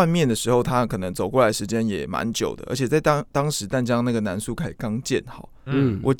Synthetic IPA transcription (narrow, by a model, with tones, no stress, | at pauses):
a˥˧nmjɛ˥˨˩nd̪ə˩ʂɻ̩˧˥xo˥˧ʊt̪ʰa˦˥kʰɤ˨˩nɤ˧˦ŋt͡so˨˩ʊkwɔ˥˩la˧˥ɪʂɻ̩˧t͡ɕjɛ˥njɛ̰˨˩ma̰˧˥nt͡ɕjo̰˨˩ʊd̪ə̰˦ʔə̰˞˧˥t͡ɕʰɛ˨˩t͡sa˥˩ɪ˥t̪ɑ˥ŋʂɻ̩˧˥t̪a˥˩nt͡ɕjɑ˥ŋna˥˩ɡə˩na˧˦˥nsu˥˩kʰa˥ɪkɑ˥ŋt͡ɕjɛ̰˥˨nxɑ˨˩˦ʊwʔɔ˨˩